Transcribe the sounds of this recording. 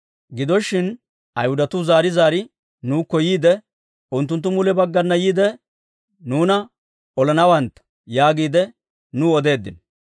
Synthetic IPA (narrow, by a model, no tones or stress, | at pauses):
ɡɪd̪ɔʃːɪn | ɐjhʊd̪ɐt̪ʊzaːɾɪzaːɾɪ | nuːkːɔjiːd̪ɛ | ʊnt̪ːʊnt̪̬ːʊmʊlɛbɐɡːɐnːɐjiːd̪ɛ | nuːnɐ | ɔlɛnɐwɐnt̪ɐ̥ | jaːɡiːd̪ɛ | nʊɔd̪e̞ːd̪ːɪ̰n